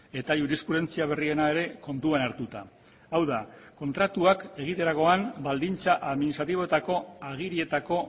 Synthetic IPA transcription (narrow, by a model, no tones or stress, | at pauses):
e̞t̪ajuɾiskuɾe̞nt͡siaβ̞e̞rie̞nae̞ɾe̞ko̞nt̪uanaɾt̪ut̪a | awðako̞nt̪ɾat̪uake̞ɣ̞it̪e̞ɾaɣo̞ambald̪int͡saʔaðminist̪ɾat̪iβo̞e̞t̪ako̞aɣ̞iɾie̞t̪ako̞